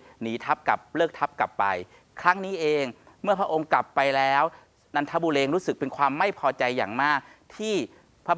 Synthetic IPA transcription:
niː˩˦t̪ʰa˦˥p̚ka˨˩p̚lɤː˥˩k̚t̪ʰa˦˥p̚kla˨˩pːa˧j | kʰɾa˦˥ŋniː˦˥ʔeː˧ŋ | mɯ˥˩ɐpʰɾa˦˥ʔo˧ŋkla˨˩pːa˧jlɛː˦˥w | na˧nt̪ʰa˦˥buː˧leː˧ŋɾuː˦˥sɯ˨˩k̚pe˧nkʰwaː˧mːa˥˩jpʰɔː˧t͡ɕa˧jːa̰ː˨˩ŋmaː˥˩k̚ | t̪ʰiː˥˩ | pʰa˦˥

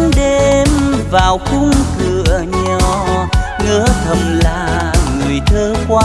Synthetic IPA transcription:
nɗe˧mvaː˨˩wxʊ˧ŋ͡mkɨ˧˨əɲɔ˨˩ŋɨ̰˧˥ət̪ʰə˨˩ŋ͡mlaː˨˩ŋɨ˨˩əjt̪ʰəː˧kwaː˧

